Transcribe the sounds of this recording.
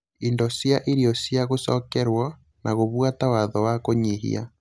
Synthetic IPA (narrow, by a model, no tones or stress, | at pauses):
indɔsjaʔiɾiɔsjaɣosɔkɛɾwɔ | naɣoβwatawaðɔwakoɲiɦḭa̰